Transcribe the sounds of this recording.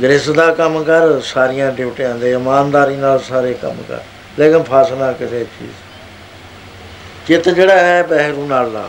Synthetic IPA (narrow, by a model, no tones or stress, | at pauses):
ɡɾɪsd̪aːkəmkəɾsaːɾɪjãːɖɪpʈẽãːd̪eːɪmaːnd̪aːɾiːnaːlsaːɾeːkə̰mkə̰ɾ | leːkɪnpʰaːsnaːkɪseːt͡ʃḭːz | t͡ʃɪt̪d͡ʒeːɽaːɛːbɛːɦɾũːnaːlːa̰ː